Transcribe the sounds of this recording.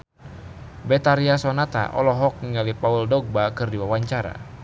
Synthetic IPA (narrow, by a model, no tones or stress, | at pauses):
bɛt̪aɾiasɔnat̪a̰ʔɔ̰lɔɦɔk̚niŋalipauldɔɡ̚bakɨrdiwawaɲt͡ʃaɾa̰